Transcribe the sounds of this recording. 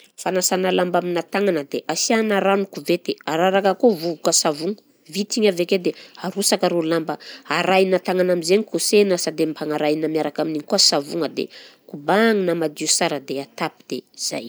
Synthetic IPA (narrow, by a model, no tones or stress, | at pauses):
fanasanalambaminat̪aŋanəd̪eʔasianaɾanukuvet̪eaɾaɾakakovuvukəsavuŋə | vit̪iɲaveked̪eaɾusakaɾolambəaɾajnat̪aŋanamizeɲikusenəsad̪empʰaŋaɾajnamiaɾakaminiŋikuasavuŋəd̪ḛkubaŋinamad̪iusaɾəd̪eat̪apid̪̥ez̥a̰j